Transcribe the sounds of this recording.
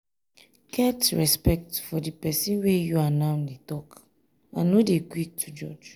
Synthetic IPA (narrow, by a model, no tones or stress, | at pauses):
kʰɛtɹɛspɛk̚tfɔdipɛsĩnwejuanaʊnetɔk | ã̰nːodekwik̚tʰud͡ʒɔ̰d͡ʒ